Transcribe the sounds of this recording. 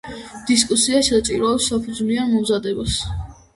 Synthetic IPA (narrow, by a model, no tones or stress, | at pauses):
d̪̥is̬kʼusiaʃɛt͡ʃʼiɾɔɛpsːapʰud̪zmianmɔmzad̪ɛbas